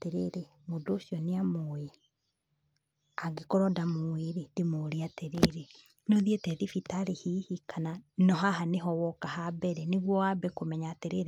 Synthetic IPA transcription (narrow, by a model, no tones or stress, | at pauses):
teɾeɾe | modoːsiɔneamoe | aɡekɔɾɔdamoeɾed̥emoɾiateɾeɾe | nɔðietɛðifitaɾehihikananɔɦaɦaneɦɔwɔkahabɛɾɛneɣwɔabɛkomɛɲaːteɾeɾe